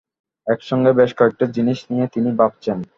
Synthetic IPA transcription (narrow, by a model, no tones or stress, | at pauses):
ɛkʃɔŋɡebeʃkɔek̚ʈed͡ʑiniʃnijet̪inibab̚t͡ɕen